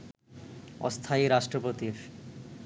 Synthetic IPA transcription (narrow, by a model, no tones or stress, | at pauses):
ɔ̰st̪ʰaiɾaʃʈɾopot̪iɾ